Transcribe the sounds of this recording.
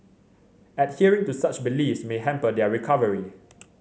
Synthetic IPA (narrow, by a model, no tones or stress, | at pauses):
ɛt̚hiəɹɪ̃ŋtusat͡ʃbilifsmeɦɛ̃mpədɛɹikʰavəɹi